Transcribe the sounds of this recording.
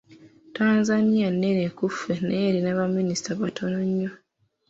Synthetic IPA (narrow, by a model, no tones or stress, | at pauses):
taːnzanijanːenekufːenʔeːɾinaβamːinistaβatʰonoɲːo